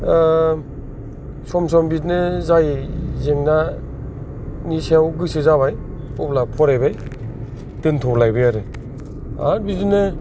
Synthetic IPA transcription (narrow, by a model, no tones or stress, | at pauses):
sɔmsɔmbit̬nɯzajzeŋna | nisewɡɯsezaβaj | pɔplapʰɔɾajbaj | tɯntʰɔlajbɯjaɾɯ | a̰ɾbitnɯ